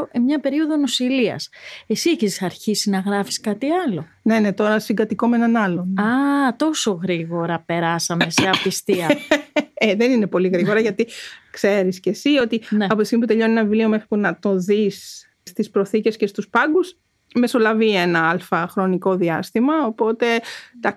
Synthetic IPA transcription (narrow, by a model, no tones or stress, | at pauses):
oʔemɲɐpe̞ɾio̞ðonosiliɐ̰sesieçesɐɾçisinɐɣɾɐfi̥skɐt̪iɐlo̞ | ne̞ne̞t̪o̞ɾɐsiŋɡɐt̪iko̞me̞nɐnɐlo̞nɐt̪o̞so̞ɣɾiɣo̞ɾɐpe̞ɾɐsɐme̞seɐpist̪iɐ | eðe̞nine̞po̞liɣɾiɣo̞ɾɐʝɐt̪ikse̞ɾiscesio̞t̪ineɐpoisimip̬ut̪e̞ʎo̞nienɐvilio̞me̞xɾipunɐt̪o̞ðis | st̪ispɾo̞θice̞sce̞st̪uspɐɡus | me̞so̞lɐvie̞nɐɐlfɐxɾo̞niko̞ðiɐst̪imɐopo̞t̪e̞t̪ɐ